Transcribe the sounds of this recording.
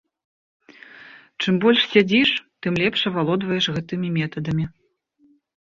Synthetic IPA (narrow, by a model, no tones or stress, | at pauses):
t͡ʂɨmbɔlʲʂsʲad͡zʲiʂt̪ɨmlʲɛpʂɐvalˠɔd̪vɐjɛʂɣɛt̪ɨmʲimʲɛt̪ɐd̪ɐmʲi